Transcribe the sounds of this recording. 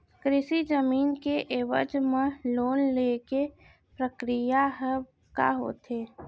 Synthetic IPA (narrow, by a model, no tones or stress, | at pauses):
kɾɪʃid͡ʒəmiːnkeʔeːʋə̰d͡ʒmə̃loːnleːke | pɾəkɾijaɦ | ka̰ɦo̰ːt̪ʰeː